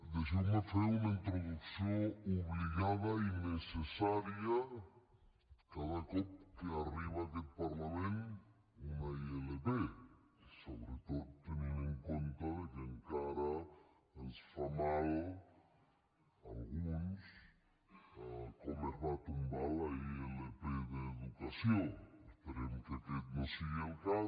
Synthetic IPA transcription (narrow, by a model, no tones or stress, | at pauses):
d̪eʃimafeunaint̪ɾoðuksjouβliɣaðainesesaɾja | kaðakop̚keariβaðelpaɾlamẽnt̪ | unaieleβe | soβɾet̪oðot̪eniɾeŋkont̪aðekeŋkaɾa | ensfamalo | alɣuns | komeɾnat̪umbalaielepeðeːðukasjoŋespeɾemket̪ek̪̚masialka